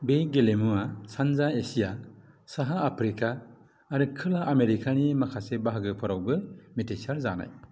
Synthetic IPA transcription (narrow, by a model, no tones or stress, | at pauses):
beɡelemuasanzaesija | saɦaːpʰɾikaː | ɾɯkʰɯlaʔːmeɾikʰanimakʰasebaɦaɡɯpʰɔɾawbɯmitʰesaɾza̰na̰j